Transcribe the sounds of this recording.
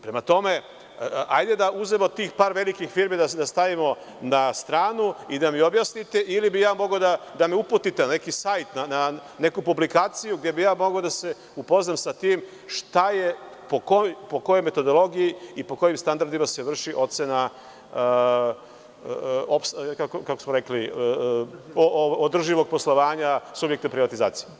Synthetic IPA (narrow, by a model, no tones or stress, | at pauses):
pɾe̞mat̪o̞me̞ | ajd̪e̞d̪aʔuzemo̞t̪iːxpaːɾʋe̞likixfiːɾmid̪ad̪ast̪aʋimo̞ | nast̪ɾaːnuid̪amiobjasnit̪e̞ʔilibijaːmo̞ɡod̪ad̪ameuput̪it̪ene̞kisajt̪nanane̞kupublikaːt̪sijuɡd̪je̞bijaːmo̞ɡod̪ase̞ | upo̞znamsat̪iːm | ʃt̪aje̞ | pokopo̞ko̞jojme̞t̪o̞d̪o̞lˠo̞ɡijiipo̞ko̞jimst̪and̪aɾd̪imase̞ʋr̩ʃiʔo̞t̪sena | opskakokakosmoɾe̞kli | oood̪r̩ʒiʋo̞ɡ̚po̞slˠo̞ʋaːɲasubjek̚t̪epɾiʋat̪iza̰ːt̪si̥je